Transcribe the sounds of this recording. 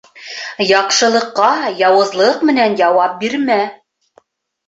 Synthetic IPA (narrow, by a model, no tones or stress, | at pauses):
jɑqʃɤ̆lˠɤ̆qːɑjɑwɤ̆zlˠɤqmɘ̆nænjɑwɑp̚biɾmæ